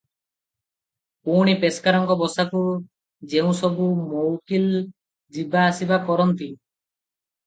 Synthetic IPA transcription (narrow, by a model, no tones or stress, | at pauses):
puɽ̃ipeskaɾɔŋkɔbɔsaku | d͡ʒeũsɔbumowkil | d͡ʒibaːsibakɔɾɔnt̪i